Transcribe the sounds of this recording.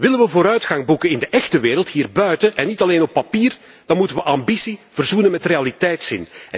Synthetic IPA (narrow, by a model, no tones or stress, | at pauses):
ʋɪlənʋəvoːɾœɥtxaŋbukənɪndəʔɛxtəʋeːɾəlˠtɦiːrbœɥtəʔɛnːitɑleːnɔpːapiːr | d̥ɑnmutənʋəʔambisiv̥ərzunənmɛtrealitɛjtsɪ̰n